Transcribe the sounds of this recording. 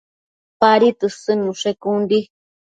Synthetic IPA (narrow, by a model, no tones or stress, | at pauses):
paɾit̪ɨsɨnũʂekund̪i